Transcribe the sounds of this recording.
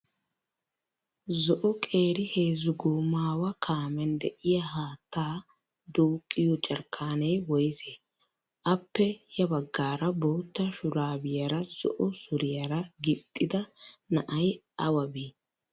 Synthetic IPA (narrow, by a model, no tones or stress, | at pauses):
zɔʔɔkʼe̞ːɾɪhe̞ːzʊɡuːmaːwɐkʰaːmɛnd̪ɛʔɪjɐɦaːt̪ʰːaː | d̪uːkʼːɪjɔt͡ʃʼɐɾkʰːaːnɛjwɔjze | ʔɐpːɛjɐbɐɡːaːɾɐboːt̪ːɐʃʊɾaːbɪjɐɾɐz̥ɔ̰ʔɔsʊɾɪjɐɾɐɡɪt̪ʼːɪd̪ɐnɐʔɐjʔɐwɐbiː